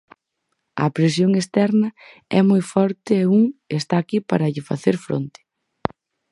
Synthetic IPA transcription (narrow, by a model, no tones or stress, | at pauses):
ɐ̰pɾes̬joŋest̪ɛɾnɐ | ɛmojfɔɾt̪ɪeuŋest̪aːkipaɾɐʎɪfa̰θeɾfɾo̰nt̪ɪ̥